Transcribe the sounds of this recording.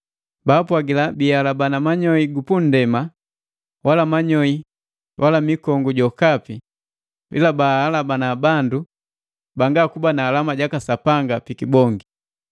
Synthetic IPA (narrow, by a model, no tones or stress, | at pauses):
baːpwaɡilabialabanamaɲɔiɡupun̩dɛma | walamaɲɔi | wʔalamikɔŋɡuɟɔkapi | pḭlabahalabanabandu | baŋɡakubanaːlamaɟakasapaŋɡapikibɔŋɡi